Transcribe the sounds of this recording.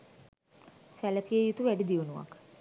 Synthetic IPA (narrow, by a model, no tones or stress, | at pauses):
sæləkijəjut̪uʋæɖid̪iunuʋa̰k